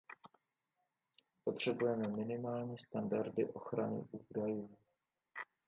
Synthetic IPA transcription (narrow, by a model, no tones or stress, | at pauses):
po̞t̪r̝̥ɛbujɛmɛmɪnɪmaːlɲiːst̪andaɾdɪ̰ʔo̞xɾanɪ̰ʔudajɪn